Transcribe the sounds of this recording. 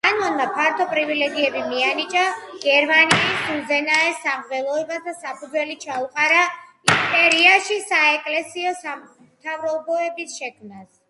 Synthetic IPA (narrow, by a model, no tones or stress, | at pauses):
kʼanɔnmapʰaɾt̪ʰɔpʼɾivilɛɡiɛbimianit͡ʃʼaɡ̥ɛɾmaniisuzɛnaɛsamvɛlˠɔɛbasd̪asapʰud̪zwɛlit͡ʃʰauqʼaɾa | ispʼɛɾiaʃisaɛkʼlɛsiɔsa | mt̪ʰavɾɔbɔɛbisʃɛkʰmnas